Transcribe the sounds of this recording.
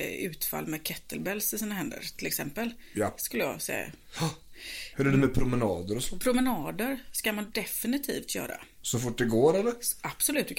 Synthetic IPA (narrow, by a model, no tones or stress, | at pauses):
ʉ̟ːt̪fa̰lːmɛkʰɛt̪ʰːəlbɛlsɪsiːnaɦɛnd̪ə̰ɾt̪ʰɪlɛksɛmpəljskɵlːəjɑ̰sɛ̰ja̰ | hɵɾædɛmɛpʰɾʊmɛnɑːd̪əɾɔspʰɾʊmɛnɑːd̪əɾskamand̪ɛfɪnɪt̪ʰḭːft̪jœ̰ːɾa̰sɔfʊʈ̚ːd̪ɛɡoːɾɛlːəɾʔab̥sɔlʉ̟ːt̪vɪ